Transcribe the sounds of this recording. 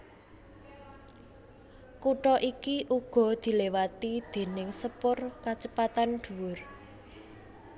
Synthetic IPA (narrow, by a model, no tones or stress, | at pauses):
kuʈɔʔikiʔuɡ̥ɔ̤d̪̥i̤lewat̪id̪̥e̤nɪŋsəpʊrkat͡ʃəpat̪anɖ̪̥ṳwʊr